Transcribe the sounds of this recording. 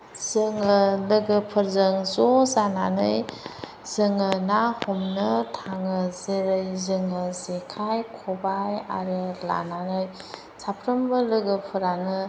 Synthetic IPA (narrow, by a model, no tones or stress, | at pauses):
z̥ɯŋɯlɯɡɯpʰɯɾzɯŋzɔzananɯj | z̥ɯŋɯnahɔmnɯtʰaŋɯzeɾɯjzɯŋɯzekʰajkʰɔbaja̰ɾɯla̰nanɯj | sapʰɾəmbɯlɯɡɯpʰɯɾanɯ